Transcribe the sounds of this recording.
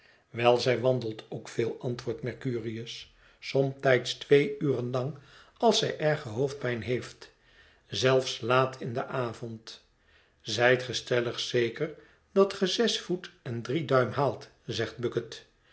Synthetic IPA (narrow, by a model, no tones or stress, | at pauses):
ʋɛlˠzɛjʋɑndəlˠtʰowkfɪːlˠɑntʋʊːɹtmɛɹkyːriəs | sɔmtɛjtstʋejyːrənlɑŋ | ɑlˠsɛjʔɛɹχəɦowfd̚bɛjnɦejft | zɛlˠfslaːtʰɪndəʔaːvɔnt | zɛjtχəstɛləχsejkəɹ | d̥ɑtχəzɛsfutɛndridœɥmɦaːlˠt | zɛχt̚bɵkət